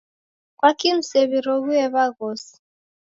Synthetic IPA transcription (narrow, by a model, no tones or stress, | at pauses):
kwakim̩sɛβiɾɔɣuɛβaɣɔsi̥